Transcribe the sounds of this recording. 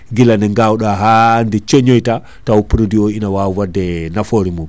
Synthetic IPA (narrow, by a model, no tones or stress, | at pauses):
ɡilanɛŋɡawɗaɦandɛt͡ʃɔɲɔjta | tawupiɾodiɔinawawwadːɛnafoɾimum